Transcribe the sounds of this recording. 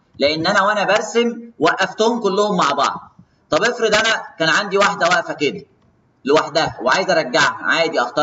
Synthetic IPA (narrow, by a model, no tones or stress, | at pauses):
leʔenːʔænæwʔænæbæɾˤsemwæʔːæft̪ohomkolːohomːaʕbɑ̰ʕd̪̚ˤ | t̪ˤɑbʔefɾed̪ʔænækæːnʕand̪iwaħd̪æwæʔfæked̪æ | lewaħd̪æhæweʕajezʔæɾˤɑɡːaʕhʕaːjed̪jʔɑxt̪ɑ